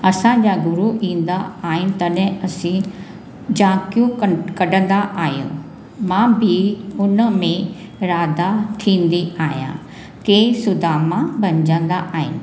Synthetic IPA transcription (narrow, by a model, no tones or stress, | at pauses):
ɐsãd͡ʑaːɡʊɾuʔĩːn̆d̪aaːɦɪnɪ̆t̪ɐɗɦɪ̃ɐsĩ | d͡ʑãːkjũkɐɖə̃nd̪aʔaːɦijṵ̃ | mãːbʱɪʊnəmẽ | ɾaːd̪at̪ʰĩːnd̪iaːɦijã̰ː | keːsʊd̪ʱaːmãbʱɐ̃ɲd͡ʑə̃nd̪aʔaːɦɪ̰nɪ̆